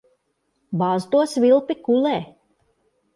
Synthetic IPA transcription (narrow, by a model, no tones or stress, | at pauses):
baːzt̪uɔsvilˠpikulɛː